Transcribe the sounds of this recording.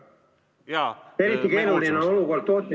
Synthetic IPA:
eɾit̪ːikeinulːinenolukoːlt̪oːt̪ʲːi

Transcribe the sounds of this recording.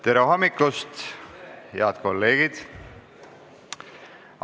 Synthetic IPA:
t̪eɾeɦɑmːiklust̪ | hḛɑt̪ko̞lːe̞ːɡ̥id̪̥

